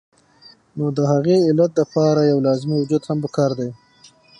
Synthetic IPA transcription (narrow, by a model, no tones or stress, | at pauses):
nod̪əɦaɣeɪlat̪̚ləpɑɾajawlɑzmiwʊd͡ʒud̪hampəkɑɾd̪aj